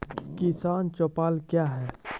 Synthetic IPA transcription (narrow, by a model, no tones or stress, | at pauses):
kɪsaːnt͡ʃɔpaːlkjaːɦɛː